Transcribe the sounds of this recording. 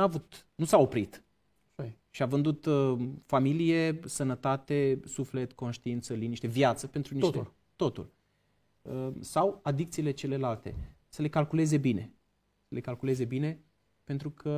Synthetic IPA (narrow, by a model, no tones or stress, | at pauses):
avut̪nusao̞pɾit̪ | ʃiavɨnd̪ut̪familije̞sənət̪at̪esufle̞t̪ko̞nʃt̪iint̪səliniʃt̪evjat̪səpe̞nt̪ɾuni | t̪o̞t̪ṵl | əsawad̪ik̚t̪sile̞t͡ʃe̞le̞lalt̪e̞̰ | səle̞kalkule̞ze̞bine̞̰ | səle̞kalkule̞ze̞bine̞ | pent̪ɾukʰə